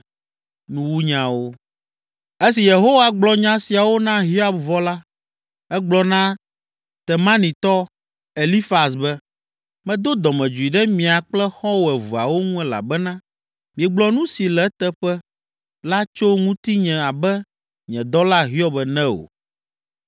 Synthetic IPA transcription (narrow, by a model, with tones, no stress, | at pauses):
nũ˦wu˦ɲã˨wo˦ | e˦si˨je˨ɦo˦wa˨ɡ͡blɔ˨ɲã˦si˨a˨wo˦nã˦ɦi˦a˦b̚vɔ˦la˦ | ɛ˦ɡ͡blɔ˦nã˦ | t̪ɛ˨mã˦nĩ˨t̪ɔ˦ | e˨li˦fa˨s̬bɛ˦ | mɛ̃˨d̪o˦d̪ɔ˨mɛ̃˨d͡ʒu˨i˨ɖɛ˦mĩ˨a˨k͡plɛ˦xɔ̃˦wo˨ɛ˨vu˨a̰˨wo˦ŋũ˦ɛ˦la̰˨bɛ˦nã˦ | mĩ˨ɛ˨ɡ͡blɔ˦nũ˦si˨lɛ˨˦t̪ɛ˦ɸɛ˦ | la˦t͡ʃo˦ŋũ˦t̪i˦ɲɛ̃˨a˨bɛ˦ | ɲɛ̃˨d̪ɔ˦la˦ɦi˦ɔ˦bɛ˨nɛ̃˦o̰˨